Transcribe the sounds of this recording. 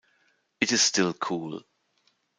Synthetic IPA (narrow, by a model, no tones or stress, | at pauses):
ɨtɪz̥stɪlˠkʰuːl